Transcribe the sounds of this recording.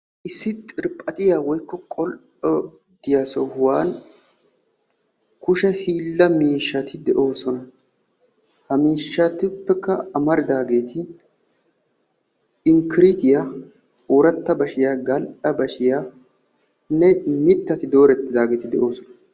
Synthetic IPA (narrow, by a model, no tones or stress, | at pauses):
ʔɪsːɪt̪ʼɪɾpʼɐt̪ʼɪjaːwɔjkːɔkʼɔl | ɔ | d̪ɪjaːsɔhʊwaːn | kʊʃɛhiːlːɐmiːʃːɐt̪ɪd̪ɛʔo̞ːsɔnɐ | hɐmiːʃːɐt̪ɪʊpːɛkːɐːmɐɾɪd̪aːɡe̞ːt̪ʰɪ | ɪŋkɪɾɪt̪ɪja | uːɾɐt̪ːɐbɐʃɪjaːɡɐlʔɐbɐʃɪjaː | nɛmɪt̪ːɐt̪ɪd̪o̞ːɾɛt̪ːɪd̪aːɡeːt̪ɪd̪ɛʔo̞ːsɔnɐ